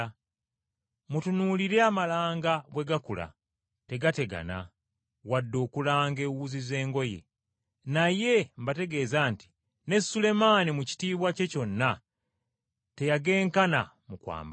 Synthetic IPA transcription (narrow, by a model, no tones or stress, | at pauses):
mutunuːliɾe̞amalaːŋɡaɡwe̞ɡakula̰ | te̞ɡate̞ɡa̰na̰ | wadːo̞ːkulaːŋɡe̞wuzize̞ːŋɡo̞je̞̰ | naje̞mbate̞ɡe̞ːzaːnti̥ | ne̞sule̞manimuci̥tiːβwace̞co̞nːa | te̞jaɡe̞ːŋkana | mukwa̰ːmba